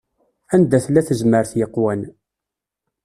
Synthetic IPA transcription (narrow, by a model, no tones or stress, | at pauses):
ænd̪æθlæθəzməɾθjəqːwæn